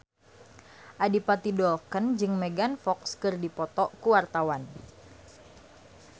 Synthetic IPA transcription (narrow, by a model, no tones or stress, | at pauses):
ʔadipat̪idɔlkənd͡ʒɨŋmɛɡanfɔkskɨrdipɔt̪ɔkuwart̪awan